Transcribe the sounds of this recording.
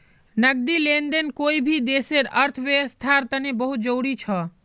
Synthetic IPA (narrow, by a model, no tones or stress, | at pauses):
nəɡ̚d̪ilend̪enkoibʱid̪eseɾəɾt̪ʰʋjəʋəst̪ʰaɾt̪ənebəɦut̪̚d͡ʒəwɽit͡ʃʰɔ